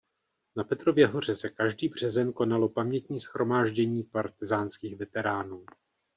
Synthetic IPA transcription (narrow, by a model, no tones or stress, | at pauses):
napɛt̪ɾo̞vjɛɦo̞r̝ɛsɛkaʒdiːbr̝̥ɛzɛnko̞nalo̞pamɲɛt̪ɲiːsxɾo̞maːʒɟɛɲiːpaɾt̪ɪzaːnskiːxvɛt̪ɛɾaːnuː